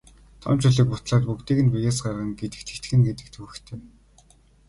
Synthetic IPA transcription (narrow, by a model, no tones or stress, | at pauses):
t̪ʰɔ̰mt͡ɕʰʊɮĭk̚pʊt̪ɮaːt̪̚pukt̪iːɣɘ̆npujaːs̬ɢarʁə̆ŋɡet̪ɘ̆kt̪ʰɘ̥̆kt̪̆xɘ̆ŋɡet̪ɘ̆k̚t̪ʰuɘ̆xt̪ʰeː